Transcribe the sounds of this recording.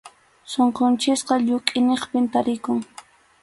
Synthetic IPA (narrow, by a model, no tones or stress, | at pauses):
soɴqont͡ʃɪsqɑʎʊkʼɪneχpɪnt̪aɾɪkʊŋ